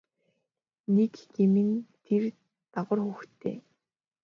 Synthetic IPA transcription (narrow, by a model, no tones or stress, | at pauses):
nekɡemɘ̆nt̪ʰer | t̪aʁə̆rxuxt̪ʰḛː